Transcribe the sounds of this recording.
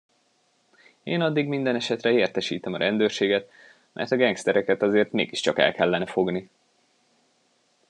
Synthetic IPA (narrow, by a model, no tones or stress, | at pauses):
eːnɒd̪ːiɡmind̪ɛnɛʃɛt̪rɛeːrt̪ɛʃiːt̪ɛmɒɾɛnd̪øːrʃeːɡɛt̪ | mʔɛ̰rt̪ɒɡɛŋkst̪ɛɾɛkɛt̪ɒzeːrt̪mḛːɡiʃt͡ʃɒkɛ̰lkʰɛlːɛnɛfo̞ɡni